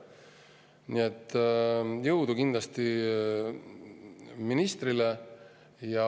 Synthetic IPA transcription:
niet̪ː | jɤwd̪ukind̪lɑst̪i | minist̪rile | jɑ

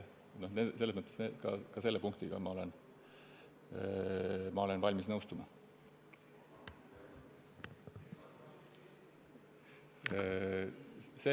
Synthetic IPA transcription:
noneselesmɤt̪ːˑesnekɑkɑse̞lːepuŋk̚t̪iɡ̥ɑ̰mɑo̞le̞n | mɑo̞le̞nvɑlʲmisnɤwst̪umɑ | se

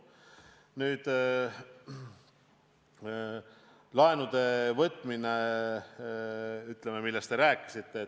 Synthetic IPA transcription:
nyːd̪̥ | lɑenud̪̥e̞vɤt̪ːˑmine | yt̪ːˑlememilːest̪eɾæːkːˑi̥sit̪ːe̞ː

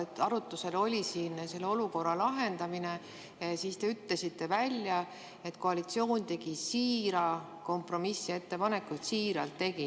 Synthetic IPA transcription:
et̪ːɑɾut̪ːˑuse̞lo̞lʲisiːnse̞lːeo̞luko̞rːɑlɑɦe̞nd̪ɑmine̞ | siːst̪e̞yt̪le̞sit̪ːe̞vælʲjɑ | e̞t̪ko̞ɑlit̪sio̞ːnt̪e̞ɡisiːɾɑ | ko̞mpro̞misːie̞t̪ːepɑne̞kut̪siːɾɑ̰lt̪ːe̞ɡi

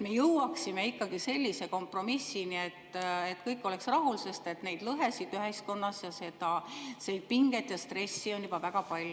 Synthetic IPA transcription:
me̞jɤwɑksime̞ikːɑɡ̥ise̞lʲːise̞ko̞mpro̞misːinie̞t̪ːet̪kɤjkːˑo̞le̞ksrɑɦulse̞st̪e̞t̪ne̞jd̪̥lɤɦesid̪yɦe̞sko̞nːɑsjɑse̞d̪̥ɑseid̪̥̚piŋɡet̪jɑst̪re̞sːio̞njub̥ɑvæɡ̥ɑpɑlʲ

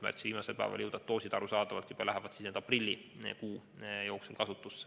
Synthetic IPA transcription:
mæ̰rt̪siviːmɑse̞lpæ̰ːvɑ̰ljɤwd̪̥ɑt̪̚t̪o̞ːsid̪ɑɾusɑːd̪̥ɑvɑlt̪jub̥ɑlæɦevɑt̪sisneːd̪ɑprilʲːikuːjo̞ːksulkɑsut̪ːˑusːe̥

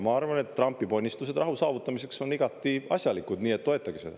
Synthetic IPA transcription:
mɑɑrvɑne̞t̪ːrɑmpːˑipo̞nʲːist̪us̬e̞d̪̥rɑɦusɑːvut̪ːˑɑmise̞kso̞niɡ̥ɑt̪ːˑiɑ̰sʲjɑlikud̪niːet̪ːo̞e̞t̪ˑːɑɡ̥ised̪ɑ̰

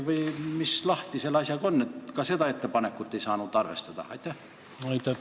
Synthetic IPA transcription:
ʋɤimislɑht̪iselɑsʲjɑkonːet̪kɑset̪ɑet̪ːepɑnekːut̪ːeisɑːnut̪ːɑrʋḛst̪ɑt̪ɑ̰ɑ̰it̪ːæ | ɑit̪ɑ

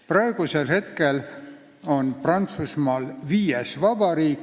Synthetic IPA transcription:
prɑeɡ̥use̞lhe̞t̪ke̞l | o̞nprɑnt̪susmɑːlviːjesvɑb̥ɑɾiːkː

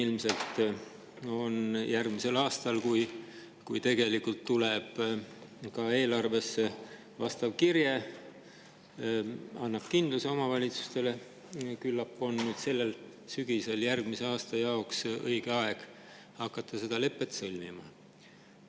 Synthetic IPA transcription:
ilmse̞lt̪ | o̞njærɡ̥mise̞lɑːst̪ɑlkuj | kujt̪e̞ɡe̞likːult̪ːuleb̥ | kɑe̞ːlɑrve̞sːe | vɑst̪ɑv̥kirje | ɑnːɑb̥kind̪̥luseo̞mɑvɑlʲit̪su̥st̪e̞le̞ | kylːɑpːˑo̞nnyːd̪̥se̞lːe̞l | syɡ̥ise̞ljærɡ̥mise̞ɑːst̪ɑjɑo̞ksɤ̰jɡ̥eɑe̞ɡ̥ | hɑkːˑɑt̪ʰːɑse̞d̪̥ɑle̞pːˑe̞t̪sɤlʲmimɑ̰

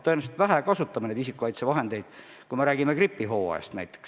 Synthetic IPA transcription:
t̪ːɤenust̪væɦækɑsut̪ːˑɑmɑne̞d̪is̬ikːˑukɑjt̪sevɑɦe̞nd̪e̞jd̪̥ | kujme̞ɾæːɡimekripːiɦo̞ːḛst̪næ̰jt̪ːˑe̥ks

